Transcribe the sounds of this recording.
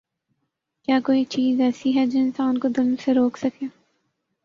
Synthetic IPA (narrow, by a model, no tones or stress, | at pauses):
kjaːkoːit͡ʃiːzɛːsiɦɛd͡ʒoɪ̃nsaːnkod̪ɪlmseɾoːksɐkeː